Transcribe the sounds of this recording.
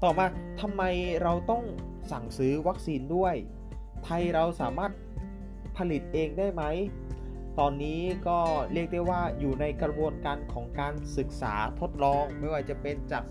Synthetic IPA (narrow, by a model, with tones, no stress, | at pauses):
t̪ɔː˨˩maː˧t̪ʰa˧mːa˧jɾa˧wt̪ɔ˥˩ŋ | sa˨˩ŋsɯː˦˥wa˦˥k̚siː˧ndu˥˩əj | t̪ʰa˧jɾa˧wsaː˩˦maː˥˩t̪̚ | pʰa˧li˨˩t̪̚ʔeː˧ŋdaː˥˩jma˦˥j | t̪ɔː˧nːiː˦˥kɔː˥˩ɾi˥˩ək̚da˥˩jwaː˥˩juː˨˩na˧jkɾa˧bu˧ənkaː˧nkʰɔː˩˦ŋkaː˧nsɯ˨˩k̚sa̰ː˩˦t̪ʰo˦˥t̪̚lɔː˧ŋma˥˩jwaː˥˩t͡ɕa˨˩pe˧nt͡ɕaː˨˩k̚